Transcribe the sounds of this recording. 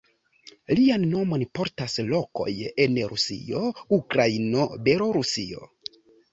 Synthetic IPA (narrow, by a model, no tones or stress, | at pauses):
lianːo̞mo̞npo̞ɾtaslo̞ko̞̰je̞nɾusḭo̞ukɾaino̞belo̞ɾusio̞̰